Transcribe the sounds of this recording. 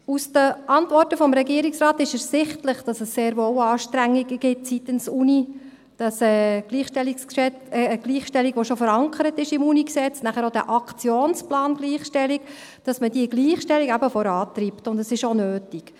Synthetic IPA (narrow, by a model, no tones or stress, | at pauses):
usd̥əʔɑntvɔrtəfɔmɾɛɡiːəɾɪiksrɑːt̪ɪʃɛɾsɪχtləχd̥ɑsəsːeːɾʋoːwɑːʃtɾæŋːiɡəɡ̥ɪtsitənsuni | d̥ɑsɛːɡ̥liːχʃtɛliksʃɛ | ɡ̥liːχʃtɛliɡʋoʃofəɾɑŋkʰəɾətɪʃɪmuniksɛt͡snæχəɾodæ̰ʔɑkt͡sjoːnsplɑːnɡ̥liːχʃtɛlik | d̥ɑsmədiəɡliːχʃtɛliɡæbəfɔɾɑːt̪ɾiptʊndəsɪʃonøːtik